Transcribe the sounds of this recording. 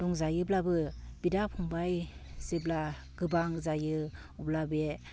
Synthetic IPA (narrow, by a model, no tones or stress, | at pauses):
dɔŋzajɯblabɯbidapʰɔŋbajsibla | ɡ̥ɯbaŋzajɯ | uplabe